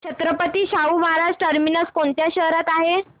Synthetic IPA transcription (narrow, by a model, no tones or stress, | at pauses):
ɕʰət̪ɾəpət̪iːɕauːməɦaɾaʂʈəɾminəskoɳt̪jaɕəɦɾat̪aɦe